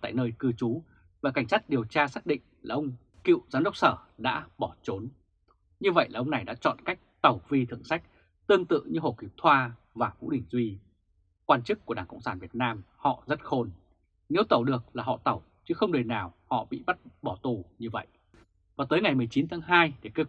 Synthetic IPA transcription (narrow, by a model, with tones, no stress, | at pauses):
t̪a̰ː˧˨jnəː˧jkɨ˧t͡ɕu˨˦ | vaː˨˩ka˧˩jŋ̟saː˦˥t̚ɗi˨˩əwt͡ɕaː˧saː˦˥k̚ɗḭ̈˧˨ŋ̟laː˨˩ʔə˧wŋ͡m | kḭ˧˨wzaː˨˦mɗə˦˥wk͡p̚səː˧˩ɗa̰ː˧˥ɓɔ˧˩t͡ɕo˨˦n | ɲɨ˧və̰˧˨jlaː˨˩ʔə˧wŋ͡mna˨˩jɗa̰ː˧˥t͡ɕɔ̰˧˨nka˦˥jk̟̚t̪ə˨˩wvi˧t̪ʰɨ̰˧˩əŋsa˦˥jk̟̚ | t̪ɨ˧əŋt̪ɨ̰˧˨ɲɨ˧ɦho˨˩ki˨˩p̚t̪ʰwaː˧ | vaː˨˩vṵ˧˥ɗï˧˩ŋ̟zwi˧ | kwaː˧nt͡ɕɨ˦˥kːu˧˩əɗaː˧˩ŋkə̰˧˨wŋ͡msaː˧˩nvi˨˩ət̚naː˧mhɔ̰˧˨zə˦˥t̚xo˧n | ne˨˦wt̪ə˨˩wɗɨ˨˩ək̚laː˨˩hɔ̰˧˨t̪ə˨˩w | t͡ɕɨ˨˦xə˧wŋ͡mɗɨ˨˩naː˨˩whɔ̰˧˨ɓḭ˧˨ɓa˦˥t̚ɓɔ˧˩t̪u˨˩ɲɨ˧və̰˧˨jʔ | vaː˨˩t̪əː˨˦jŋa˨˩jmɨ˨˩jt͡ɕi˨˦nt̪ʰaː˨˦ŋɦaː˧jɗe˨˧˩kə˧